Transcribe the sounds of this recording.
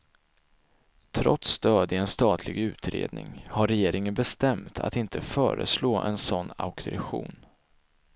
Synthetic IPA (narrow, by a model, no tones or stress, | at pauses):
t̪ʰɾɔt̪st̪œːd̪ɪɛnst̪ɑːt̪ʰlɪɡʉ̟ːt̪ɾḛːd̪nɪ̰ŋhaɾɛjeːɾɪŋənbɛst̪ɛmt̪ʰa̰t̪ɪnt̪ʰəfœːɾə̰sloːʔɛnsɔnːa̰ʊk̪ɾɛɧṵːn